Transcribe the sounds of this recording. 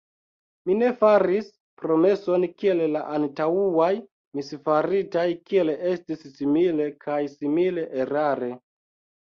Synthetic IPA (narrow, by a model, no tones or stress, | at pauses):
mine̞faɾis | pɾo̞me̞so̞nkie̞llaʔantauaj | misfaɾitajkie̞le̞stisːimile̞kʰajsimile̞ʔeɾaɾe̞